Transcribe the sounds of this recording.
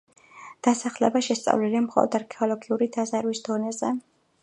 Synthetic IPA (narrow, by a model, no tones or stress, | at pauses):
d̪̥asaχlɛ̰baʃɛst̪sʼa̰vlilimχɔlˠɔ̰d̪aɾkʰɛɔlˠɔɡiuɾid̪azaɾwisd̪ɔnɛzɛ